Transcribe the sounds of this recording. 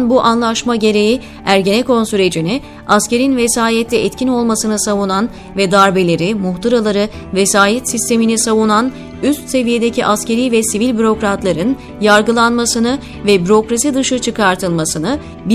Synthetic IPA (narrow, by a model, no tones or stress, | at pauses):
nbuʔanlˠaʃmaɟe̞ɾe̞ji | æɾɟe̞nɛkʰo̞nsyɾe̞d͡ʒinɪ | asce̞ɾinvesaːjɛt̪ʰlːɛɛt̪cʰino̞lˠmasɯnɯsavunan | vɛd̪aɾbe̞lʲe̞ɾimuxt̪ʰaɾalˠaɾɯvesaːjɛt̪sist̪ʰe̞minisavunan | yst̪se̞vije̞d̪e̞cʰiʔasce̞ɾiːvɛsivilʲbyɾo̞kɾat̪lˠaɾɯn | jaɾɡɯlˠanmasɯnɯ | vɛbyɾo̞kɾasid̪ɯʃɯt͡ʃʰɯkaɾt̪ʰɯlˠmasɯnɯ | b